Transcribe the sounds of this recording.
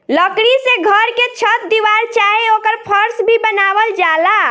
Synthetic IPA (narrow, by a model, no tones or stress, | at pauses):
ləkɾiseɡʱəɾket͡ʃʰət̪̚d̪iʋaɾt͡ʃaɦeokəɾpʰəɾsbʱibənaʋəld͡ʒala